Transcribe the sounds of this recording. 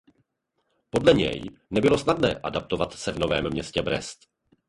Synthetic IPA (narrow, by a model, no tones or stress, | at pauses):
po̞dlɛɲɛ̰jnɛbɪlo̞snadnɛ̰ːʔadap̚t̪o̞vat̪sɛvno̞vɛ̰ːmːɲɛscɛbɾɛ̰st̪